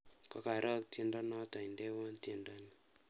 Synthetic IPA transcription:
kɔ˦ka˨ɾʔɔ˦k̚te˦ndɔ˦nɔ˦tɔ˨ɪ˨ndɛ˦wɔ˦nte˦˨ndɔ˦ni˦

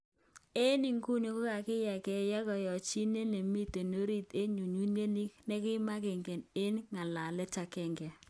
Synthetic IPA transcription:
e˦ni˨ŋku˦no˨ko˦ka˨kɪ˦ja˨kɛ˦ja˦kɔ˨jɔ˨t͡ʃi˦ne˦le˨mi˦te˨no˦ɾi˦te˦ɲu˨ɲu˦nje˦ni˦knɛ˦kɪ˦ma˦kɪ˨ŋɡɛ˨ne˦nŋa˨la˨lɛ˦ta˨kɛ˨ŋɡɛ˨

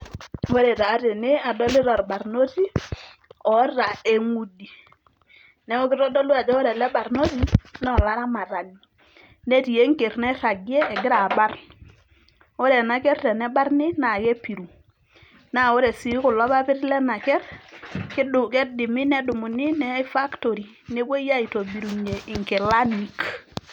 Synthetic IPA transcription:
o˦ɾɛ˨ta˨˦ɾɪ˨nɪ˦a˨dɔ˦lɪ˦ɾɔ˨ɾba˨ɾno˦ti˦ | ɔ˨˦ɾa˨e˨ŋu˦di˨ | nɛ˦o˦kɪ˦ɾɔ˦dɔ˦lu˦a˨d͡ʒɔ˦o˦ɾɛ˨lɛ˦ba˨ɾno˦ti˦n˦ɔ˨la˦ɾa˦ma˨ɾa˨ɡi˨ | nɛ˦ti˨je˦ŋke˨ɾnɛ˦ɾa˨ɡi˦ɛː˦˨ɡɪ˦ɾa˨ba˦r | ɔ˦ɾɛ˨na˨kɛ˦rtɛ˨nɛ˦ba˦rnɪ˦na˨ke˦pi˨ɾu˨ | na˨o˦ɾɛ˨si˨˦kʊ˨lɔ˦βa˦pɪ˦tlɛ˦na˨kɛ˦ɾkɪ˦dkɛ˦dɪ˨mɪ˦nɛ˦du˨mu˨nɪ˦nɛ˦fa˦kto˨ɾi˨ | ne˦bo˦ja˦i˨to˨bi˨ɾu˨ɲe˨ʔi˨ŋke˨la˦ni˨k

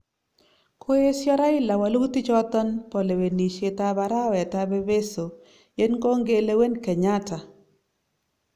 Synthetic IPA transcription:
kʰo˦e˦sjɔ˦ɾa˦ɪ˦la˨wa˨lu˦t̪i˦t͡ʃɔ˦t̪ɔ˦npɔ˨le˨we˨ni˨ʃe˨t̪a˦ba˨˦ɾa˦wɛ˨ta˦be˦be˦so˨ | je˦nko˦ŋɡe˦le˦we˦nkɛ˨ɲa˦ta˨

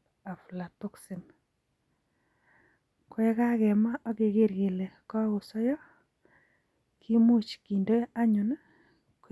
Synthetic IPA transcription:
a˨fu˨la˨tʊ˦ksɪ˨m | kwe˦ka˦ɣɛ˨ma˦ke˨ɣe˦ɾɣe˨le˨kɔ˦ɣʊ˨sɔ˦jɔ˦ | kʰi˦mu˦t͡ʃki˨ndo˦a˦ɲʊ˨na˦ | k

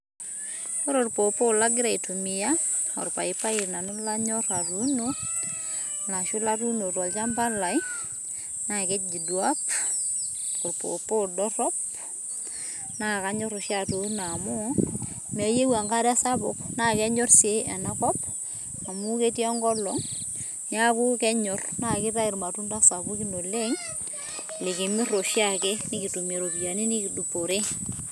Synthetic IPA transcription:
ɔ˦ɾo˨rpo˨po˦la˦ɡɪ˦ɾa˨ɪ˨tu˨mɪ˨ja˦ɔ̰˨ɾpa̰˨ɪ˦pa˦ɪ˨ɾna˨nʊ˦la˦ɲɔ˦ɾa˨ɾu˦no | la˨ʃʊ˦la˦ɾu˦no˨tɔ˨lt͡ʃa˦mba˦la˨j | na˨kɛ˦t̚d͡ʒi˨dwa˦p | ɔ˨ɾpo̰˨po˦dɔ˦ɾɔ˦p̚ | na˦ka˦ɲɔ˦ɾʊ˨ʃja˦ɾo˨˦na˨mɔ˦ | mɛ˨je˦wa˨ŋɡa˦ɾɛ˦sa˦pʊ˨kna˦kɛ˦ɲɔ˦rse˦ɛ˨na˦kɔ˦p | a˨mu˦ke˦tja˦ŋɡɔ˦lɔ˨ŋ | nja˦ku˦kɛ˦ɲɔ˨rna˨kɪ˦ta˦ɪ˨ɾma˨tu˦nta˦sa˨bu˦ki˦no˨le˦ŋ | le˨kɪ˨mɪ˦ro˨ʃja˨ke˦nɪ˦ki˨tu˨me˨ɾo˨pja˨ni˦ni˦ki˨du˨po˨ɾe˦

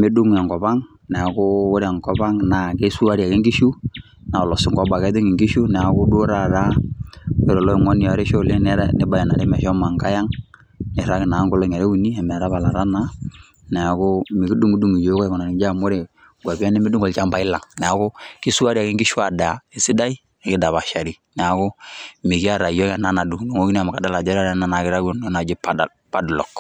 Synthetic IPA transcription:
me˦du˦ŋ˨a˨ŋɡɔ˨ba˦ŋ | nɛ˨a˨kʊ˦o˦ɾa˨ŋkɔ˨ba˦ŋna˨ke˦su˦a˦ɾi˦a˨ke˦ŋɡi˦ʃu˦ | na˨lɔ˨sɪ˦ŋɡɔ˨˦ba˨kɛ˨˦tɪ˦ŋɪ˨ŋɡi˦ʃu˦nɛ˨a˨kʊ˦du˦ɾa˦˨ɾa˦ | e˨ɾɔ˨lɔ˦i˨ŋɔ˦n˨ɔ˨ɾe˦ʃo˦˨le˦nɛ˦ɾɛ̰˦nɪ˦ba˨ja˨na˨ɾe˦mɛ˨ʃɔ˦ma˨ŋka˦ja˦ŋ | nɪ˨ɾa˦kɪ˨na˨˦ŋɡo˦lɔ˦ŋɛ˨ɾe˦u˨ni˦a˨mɛ˨ɾa˦βa˨la˨ɾa˦na˦ | nɛ˨a˨ko˦mi˨ki˦du˦ŋu˦du˦˨ŋi˨jo˨˦kɔ˦˨kɔ˨na˨ni˨˦d͡ʒa˦˨mo˦ɾe˨ | ɡwa˨bi˦a˦ne˦mi˦du˦ŋɡɔ˨lt͡ʃa˦mba˨ɪ˦la˨ŋnɛ˨a˨kʊ˦ki˦su˦a˦ɾi˦a˨ki˦ŋɡi˦ʃwa˨da˨e˨si˦da˦i˦˨kɪ˦da˨βa˨ʃa˨ɾi˦nɛ˨a˨ko˦mi˨ki˦a˦˨ɾa˨jɔ˦kɛ˨na˦na˨du˨ŋ˨du˨ŋo˦ki˦n˦a˨ma˨ka˨da˦la˨d͡ʒa˦ɾa˦ɾna˦˨na˨kɪ˦ɾa˦o˨no˦na˨d͡ʒi˦p | pa˦dlɔ˨k

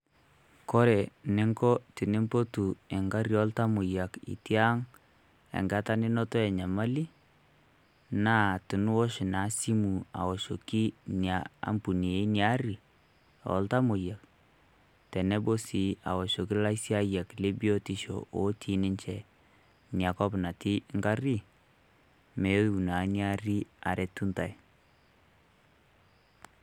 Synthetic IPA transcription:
kɔ˦ɾɛ˨nɪ˦ŋɡɔ˦tɪ˨nɪ˦mpo˦tu˨ɛ˨ŋɡa˦ɾjɔ˦lta˦mʊ˨ja˨kḭ˨ti˦a˦ŋ | ɛ̰˨ŋɡa˦ta˦nɪ˦nɔ˦tɔ˦ɛ˨ɲa˨ma˦li˦ | na˦tɪ˨n˦wɔ˦ʃɪ˨na˨˦si˦mu˨a̰˨wɔ˨ʃo˨ki˦nja˦a̰˨mpu˨ni˨e˨˦nja˦ɾi˨ | ɔ̰˨˦lta˦mo˨ja˨k | tɛ˨nɛ˦bo˦si˨˦a̰˨wɔ˨ʃo˨ki˦la˦i˦sja˦ja˨kle˦bi˦o˦ti˦ʃo̰˨ʔo˦tʰi˨˦nɪ˦ɲt͡ʃɛ˨ | nja˨kɔ˦pna˨ti˦ŋɡa˦ɾi˦ | mɛ˨˦u˨na˨nja˦ri˦a˨ɾɛ˨tu˦nta˨j

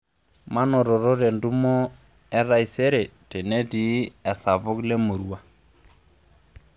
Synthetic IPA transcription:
ma˦nɔ˨ɾɔ˨ɾɔ˦ɾɛ˨ndu˦mɔ˦ | ɛ˦ɾa˦i˨sɛ˦ɾɛ˨tɛ˨nɛ˦di˨˦ɛ˨sa˨vʊ˦kle˦mo˨ɾu˦a˦

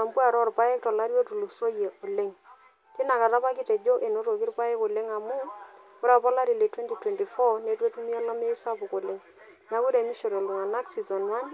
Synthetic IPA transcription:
a˨mbu˦a˨ɾɔ˦˨rpa˦ɛ˦k̚tɔ˨la˦ɾjo˦tu˨lo˨so˦je˨ʔo˨le˦ŋ | tɪ˦na˨ka˨ɾa˦pa˦kɪ˦tɛ˨d͡ʒo˦ʔe˨no˦ɾo˨ki˦rpa˦ɪ˦ko˨le˦ŋa˨mʊ˦ | kʊ˦ɾa˨pɔ˦la˦ɾi˨le˨twɛ˦nti˨twɛ˨nti˨fɔ˦ne˨˦twe˦tu˦mi˦a˦lɔ˦me˦i˦sa˦pʊ˨ko˨le˦ŋ | na˨˦ku˦ɾe˨mi˦ʃo˨ɾe˨lo˨ŋa˨na˦ksi˨zɔ˨nwa˦n

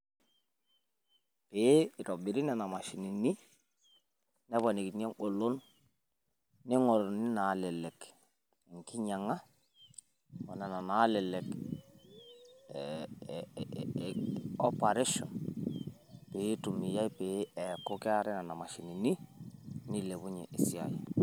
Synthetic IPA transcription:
pe˦i˨tɔ˨bi˨ɾi˦nɛ˨na˨ma˨ʃi˨ni˨ni˦ | nɛ˦bɔ˨ni˨ki˨nɛ˦ŋo˨lo˦n | ɪ˦ŋɔ˨ɾo˨ni˦na˨lɛ˨lɛ˨k | ŋki˦ɲa˨ŋa˦ | mɔ˨nɛ˨na˨na˨˦lɛ˨lɛ˨k | ɔ˦pa˨ɾe˦ʃɔ̰˨n | pe˨˦tu˨mi˨ja˦jpe˨˦ɛko˦kɪ˦a˦ɾɛ˦na˨na˨ma˨ʃi˨ni˨ni˦ni˦le˨bʊ˦ɲɛ̰˨ʔɪ˨si˦a̰˨jɛ̰˨

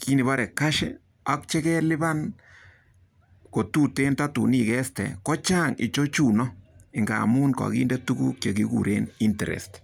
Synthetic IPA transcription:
kʰi˦ni˨ba˦ɾɛ˨ka˦ʃɛ̰˦ | a˦kt͡ʃɛ˦kɛ˦lɪ˦ba˦n | ko˨tu˦te˦nta˦tṵ˨ni˦˨kɛ˦stɛ̰˨kɔ˦t͡ʃa˦ŋḭ˨t͡ʃo˦t͡ʃu˨nɔ˦ɪ˨ŋɡa̰˨mu˦nkɔ̰˨kḭ˦nde˦tu˦kṵ˦kja˨ki˦ɡṵ˨ɾḛ˦ni˦ntɛ˨ɾɛ̰˨st

